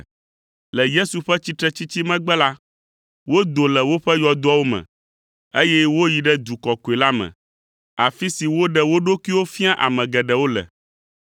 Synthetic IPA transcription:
lɛ˨je˦su˨ɸɛ˦t͡ɕi˦t̪ɾɛ˦t͡ɕi˦t͡ɕi˦mɛ̃˦ɡ͡bɛ˦la˦ | wo˦d̪o˨lɛ˨wo˦ɸɛ˦jɔ˨d̪o˦a˦wo˦mɛ̰̃˨ | e˦jɛ˦wo˦ji˨ɖɛ˦d̪u˨kɔ˨ko˨e˨la˦mɛ̰̃˨ | a˨fi˦si˨wo˦ɖɛ˦wo˦ɖo˦ki˦wo˦fi˦a˦ʔa̰˨mɛ̃˨ɡɛ˨ɖɛ˨wo˦lɛ̰˨

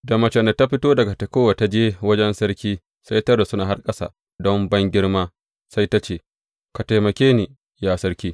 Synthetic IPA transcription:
da˨mɐ˨t͡ʃɛ˨nda˨ta˦ɸɪ˦toː˦dɐ˨ɡa˨tɐ˨koː˦wa˨ta˦d͡ʒeː˦wɐ˦d͡ʒɛ˦nsɐ˦ɾkʲiː˦ | sa˦jtɐ˦rda˨sʊ˦naː˨ɦa˦rkʼɐ˦sa̰ː˨ | dɔ˦mbɐ˦ŋɡʲɪ˦ɽmaː˦ | sa˦jta˦t͡ʃeː˦˨ | ka˨ta˨jmɐ˨kʲeː˦ni˨ | jaː˦˨sɐ˦ɾkʲiː˦

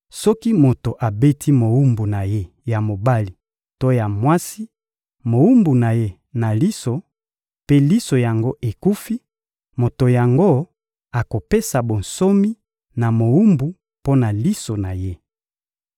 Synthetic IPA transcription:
sɔ˦ki˦mo˨to˨ʔa˨be˦tʰi˦mo˨wu˦mbu˨na˨je˦ | ja˨mo˨ba˦li˨ | to˦ja˨mwa˦si˦ | mo˨u˦mbu˨na˨je˦ | na˨li˦so˨ | pe˦li˦so˨ja˨ŋɡo˦ʔe˨ku˦fi˦ | mo˨to˨ja˨ŋɡo˦ | a˨ko˨pe˦sa˨bo˨n̩so˦mi˦ | na˨mo˨wu˦mbu˨ | po˦na˨li˦so˨na˨je˦

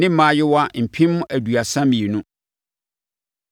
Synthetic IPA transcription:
nɪ̃˦mã˨˦jɪ˦wa˦m̩˨pʰĩ˦mʊ̃˦ʔæ˨du˨a˨sã˦mĩ˨e˨nʊ̃˦

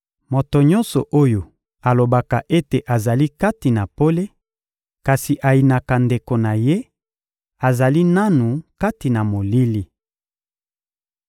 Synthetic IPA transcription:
mo˨to˨ɲɔ˦nsɔ˨ʔo˦jo˨ | a˨lo˨ba˨ka˨ʔe˦te˨ʔa˨za˨li˦ka˦ti˨na˨po˦le˦ | ka˨si˨ʔa˨ji˨na˨ka˨nde˨ko˨na˨je˦ | a˨za˨li˦na˦nu˨ka˦ti˨na˨mo˨li˦li˦

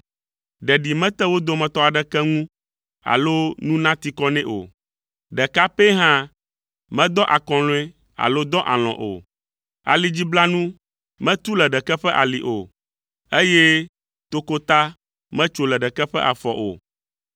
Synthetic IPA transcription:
ɖɛ˨ɖi˨mɛ̃˦t̪ɛ˦wo˦d̪o˨mɛ̃˨t̪ɔ˦a˨ɖɛ˦kɛ˦ŋũ˦ | a̰˨lo˦nũ˦nã˦t̪i˦kɔ˦nɛ̃˦ʔo̰˨ | ɖɛ˨ka˦pe˦ɦã˦ | mɛ̃˦d̪ɔ˦ʔa˨kɔ̃˨lõ˦ɛ˦ | a̰˨lo˦d̪ɔ˦ʔa̰˨l̃ɔ̰̃˨ʔo̰˨ | a̰˨li˨d͡ʑi˦bla˦nũ˦ | mɛ̃˦t̪u˦lɛ˨ɖɛ˨kɛ˦ɸɛ˦ʔa̰˨li˨ʔo˨ | e˦jɛ˦ | t̪o˦ko˦t̪a˦ | mɛ̃˦t͡ʃo˦lɛ˨ɖɛ˨kɛ˦ɸɛ̰˦ʔa˨fɔ˨ʔo̰˨

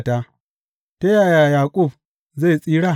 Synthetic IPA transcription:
ta˦ | ta˦ja˦˨ja˨jaː˨kʷʼʊ˦˨b̚ | ze˦˨sʼiː˦ɽa˦˨

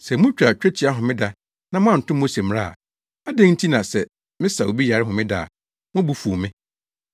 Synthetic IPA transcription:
sɛ˨mʊ̃˦t͡ɕᶣɾa˨t͡ɕᶣɾɛ˦t͡ɕʰi˨˦a˦ɦʊ̃˨mɪ̃˦da˦ | nã˦mʊ̃˦a˨n̩˨tʊ̃˦mː˦õ˦se˨m˦ɾa˦a̰˨ | a˦dẽ˦n̩˦tʰi˦nã˨sɛ˨ | mɪ̃˦sa˨o˨bi˦ja˨ɾɪ˦ɦʊ̃˨mɪ̃˦da̰˨ | mʊ̃˦bu˦fu˨o˨mɪ̃˦

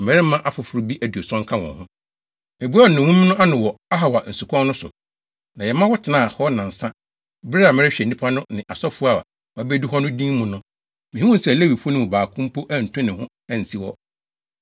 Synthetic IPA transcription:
m̩˨mɛ˨ɾɪ˦mã˦ʔa˨fʊ˨fʊ˨ɾʊ˨bi˦ʔæ˨du˨o˨sɔ̃˦ŋ̩˦kʰã˦wɔ̰̃˨hʊ̃˦ | e˨bu˦a˦˨nʊ̃˨ũ˦m˦nʊ̃˦ʔa˦nɪ̃˨wɔ˨a˦ɦa˨wa˨n̩˨su˨kʰɔ̃˦nʊ̃˦sʊ̰˨ | nã˨jɛ˨mã˦wɔ˦tʰɪ˨nã˦a˨hɔ˦nã˨n̩˨sã˦ | bɾa˨mɛ˨ɾɪ˦ɕᶣɛ˨nĩ˦pʰa˦nʊ̃˦nɪ̰̃˨ʔa˨sɔ˦fu˦a˨a̰˨ | wbe˦du˦ɦɔ˦nʊ̃˦dĩ˦mʊ̃˨nʊ̃˦ | mɪ̃˨hĩ˦wʊ̃˦n̩˦sɛ˦˨le˦wi˨fu˦nʊ̃˦mʊ̃˨baː˨kʰʊ̃˦m˦pʰo˦ʔæ˦n̩˨tʰʊ̃˦nɪ̃˨hʊ̃˦ | æ˨n̩˨si˦wɔ˦

